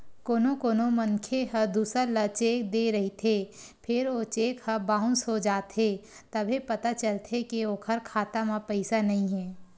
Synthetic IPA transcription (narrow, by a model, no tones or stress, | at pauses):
koːnokoːnomɐnkʰeɦəd̪uːsələt͡ʃeːkd̪eɾɐɦit̪ʰeː | pʰɪɾot͡ʃeːkhəbãːʊ̃nsod͡ʒaːt̪ɦe | t̪ɐbʱepɐt̪at͡ʃəlt̪ʰekioːkʰəɾkʰaːt̪amãpɐɪsanɐɦĩɦɛː